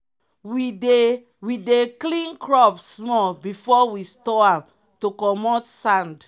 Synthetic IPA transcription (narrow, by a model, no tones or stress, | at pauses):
wie | wideklĩnkɹɔpssmɔlbifɔwistɔãm | tokɔmɔtsãnd